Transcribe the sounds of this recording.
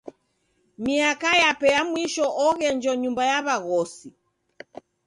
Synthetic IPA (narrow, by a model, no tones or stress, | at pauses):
miakajapɛjamwiʃɔʔɔɣɛnd͡ʒɔɲumbajaβaɣɔsi